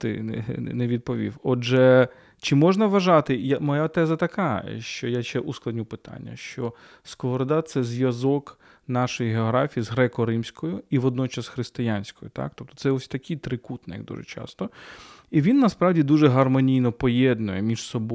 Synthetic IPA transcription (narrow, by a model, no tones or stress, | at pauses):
t̪ɪ̰neʋʲid̪̚pɔʋʲḭwɔd͡ʒɛ | t͡ʃɪmɔʒnɐʋɐʒɑt̪ɪjamɔjat̪ɛzɐt̪ɐkɑ̰ʃt͡ʃɔjaʃt͡ʃɛʔusklˠɐd̪ʲnʲupɪt̪ɑ̰nʲːɐ̰ʃt͡ʃɔ | skɔʋɔɾd̪at̪sɛzʲʋʲjɐzɔk | nɑʃɔjiɦeɔɦɾɑfʲijizɦɾɛkɔɾɪmsʲkɔjʊiʋɔd̪nɔt͡ʃɐsxɾɪst̪ɪjanʲsʲkɔjʊt̪ɑ̰k̚t̪ɔp̚t̪ɔ̥t̪sɛɔsʲt̪ɐkʰʲit̪ɾɪkut̪nɛjɐɡd̪ṵʒɛ̰t͡ʃɑ̰st̪ɔ | iʋʲinːɐspɾɑʋdʲid̪uʒɛɦɐrmɔnʲijnɔpɔjɛd̪nʊjɛmʲiʃsɔb